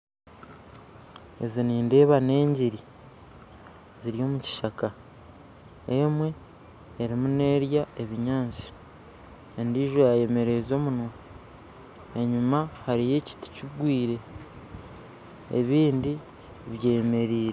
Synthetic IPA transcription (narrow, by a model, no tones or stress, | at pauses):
e̞̰ziniːnde̞ːβane̞ːɲɟiɾi | ziɾijo̞ːmuci̥ʃaka | e̞mwe̞ː | ɾimune̞ːɾjae̞βiɲaːnt͡si̥ | endiːʒojaje̞me̞ɾe̞zo̞ːmuno | e̞ɲumahaɾije̞ci̥ti̥ciɡwiːɾe̞ | ḛβiːndi | βje̞ːme̞ɾiːɾe